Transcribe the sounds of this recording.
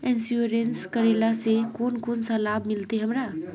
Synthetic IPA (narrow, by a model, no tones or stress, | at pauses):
ensuɾenskəɾelasekoːnkoːnsãlaːbmɪlt̪eɦɐmɾaː